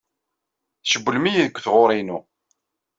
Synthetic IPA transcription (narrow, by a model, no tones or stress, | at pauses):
ʃəbːəlmijiðəkʷːθʁoɾˤinu